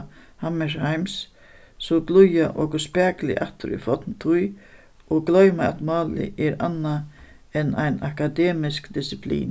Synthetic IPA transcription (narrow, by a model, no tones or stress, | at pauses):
hamɛɾhajms | sɔblʊjaʔɔ̰ːkɔspæːklɪ̰ʔaht̪ʊɾʊ̰fɔt̪n̩t̪ʰʊj | ɔɡlœɥmaa̰t̪mɑːlɪ̰ʔɛɾa̰nːa | ɛnajnakad̪ɛːmɪskd̪ɪsɪpʰlḭːn